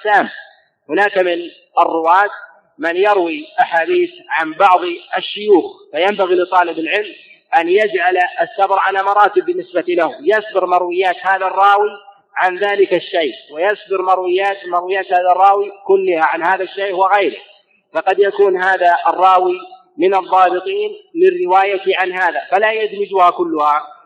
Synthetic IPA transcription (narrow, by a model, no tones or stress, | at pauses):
saːm | hʊnaːkmɪn | ɑrˤːʊwaːt̪ | mɪnjɑɾwiʔaħaːd̪iːθʕanbɑʕðˤʔaʃːʊjuːxfajambaɣilɪt̪ˤɑːlɪbɪlʕɪlm | ʔanjad͡ʒʕalasːabɾˤʕalamɑɾˤɑːt̪ɪb̚ːɪnːɪsbat̪ilahujasbɪɾmɑɾˤwɪjːaːt̪haːðarˤːɑːwi | ʕanðaːlɪkaʃːajʔwɪjasbɪɾmɑɾˤwɪjːaːt̪mɑɾˤwɪjːaːt̪haːðarˤːɑːwikʊlːɪhaʕanhaːðaʃːajʔwɪɣajɾɪh | fɑqɑd̪jakuːnɦaːðaʔɑrˤːɑːwi | mɪnɑðˤːɑːbɨt̪ˤiːnmɪnrɪwaːjat̪ɪʕanhaːðafalajad͡ʒ̪mɪd͡ʒuhakʊlːʊha